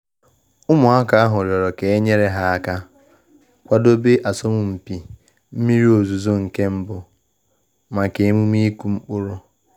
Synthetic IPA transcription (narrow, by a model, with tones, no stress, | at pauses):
ʊ˦mʊ˨a˦ka˨a˦ɦʊ˨ɾjɔ˨ɾɔ˨ke˨e˦ɲe˦ɾe˦ɦa˦ka˦ | kʷa˦do˦be˦ʔa˨so˦mʊ˨m̩˨pi˨ | m̩˦mi˦ɾi˦o˨zu˨zo˦ŋ̩˨ke˦m̩˦bʊ˨ | ma˨ke˨mu˦m˦i˦ku˦m̩˦k͡pʊ˦ɾʊ˦